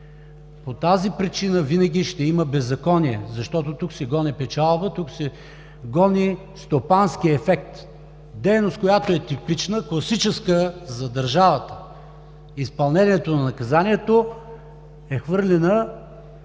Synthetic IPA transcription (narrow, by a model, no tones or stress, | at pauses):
pot̪azipɾit͡ʃinəvinəɡ̟ʲiʃt̪ɛiməbɛzːɐkɔniɛzɐʃt̪ɔt̪ot̪uksɛɡɔnipɛt͡ʃalˠbət̪uksɛ | ɡɔni | st̪opansk̟iɛfɛk̚t̪ | d̪ɛjnost̪̚kojat̪oɛt̪ipit͡ʃnəklˠɐsit͡ʃɛskəzɐd̪ɐɾʒavɐt̪ə̥ | ispɐlˠnɛniɛt̪onɐnɐkɐzaniɛt̪o | ɛxvɤɾlʲɛnə